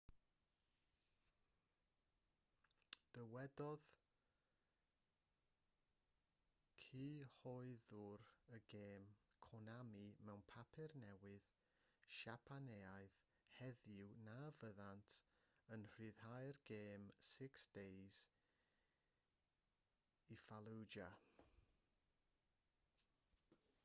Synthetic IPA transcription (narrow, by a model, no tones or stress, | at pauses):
d̥əwɛdɔð | kʰiːhɔɨðʊɾəɡeːmkʰɔnamimɛwnpʰapʰɪrnɛwɨð | ʃapʰaneːaɨð | hɛðjɪwnavəðantʰənr̥ɨːð̥hajrɡeːmsɪksd̥ejz̥ | ifalˠuwd͡ʒa